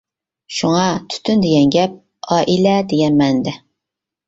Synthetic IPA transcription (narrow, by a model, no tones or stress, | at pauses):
ʃuŋɑt̪ʰy̥t̪ʰynd̪eɡʲɛnɡʲɛp̚ | ɑːʔilɛd̪eɡʲɛnmɛnd̪ɛ